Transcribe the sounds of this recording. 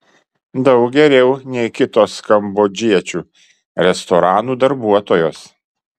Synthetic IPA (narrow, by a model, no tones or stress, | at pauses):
d̪ɐʊk̚ɡʲɛɾʲɛʊnʲɛɪkʲɪt̪oːskɐmboːd͡ʒʲiɛt͡ʃʲuː | ɾʲɛst̪ɔɾɑːnuːd̪ɐɾbuɔt̪oːjoːs